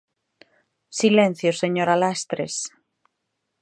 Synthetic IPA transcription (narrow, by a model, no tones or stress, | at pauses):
silẽn̟θjoseɲoɾalast̪ɾḛs